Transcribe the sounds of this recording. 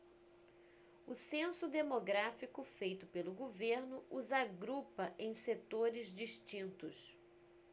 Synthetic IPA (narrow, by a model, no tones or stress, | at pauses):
ʊsẽsʊd̪emoɡɾafikʊfejt̪ʊpelʊɡoveɾnʊuzaɡɾupɐʔẽj̃set̪oɾɪzd͡ʒiʃt͡ʃĩnt̪ʊs